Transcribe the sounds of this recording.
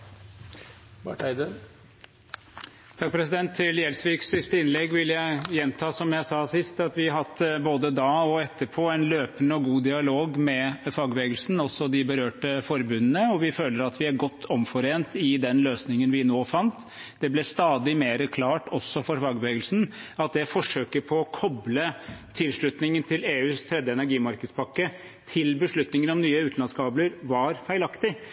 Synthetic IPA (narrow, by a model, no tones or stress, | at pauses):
bɑʈæɪd̪ə | t̪ʰɑk̚pʰɾɛsɪd̪ɛnt̪ʰːɪljɛlsʋiːkssɪst̪əɪnlɛɡːʋɪljæɪjɛnt̪ʰɑːsɔmjæɪsɑːsɪst̪ɑt̪ʋɪɦɑt̪ːboːd̪əd̪ɑːɔɛt̪ʰːəɾpʰoːænløːpənəɔɡuːd̪ɪɑloːɡmɛfɑːɡʋeːɡəlsn̩ɔsɔd̪ɪbəɾøːʈəfɔɾbʉnənəɔʋɪføːləɾɑt̪ʰʋɪæɾɡɔt̪ʰːɔmfɔɾeːnt̪ɪd̪ɛnløːsnɪŋənʋɪnoːfɑnt̪ | d̪̥ɛblɛst̪ɑːd̪ɪmeːɾəkʰlɑːʈɔsːɔfɔɾfɑːɡʋeːɡəlsn̩ɑt̪̚d̪ɛfɔʂøːkəɾpʰɔɔkʰɔblət̪ʰɪlʂɭʉt̪nɪŋənt̪ʰɪleːʉːst̪ʰɾɛd̪ːəɛnæɾɡiːmɑɾkəd̪spʰɑkːə | t̪ʰɪlbəʂɭʉt̪nɪŋənɔmnyːəʉːt̪n̩ɑnskʰɑːbləɾʋɑɾfæɪlɑkt̪ɪ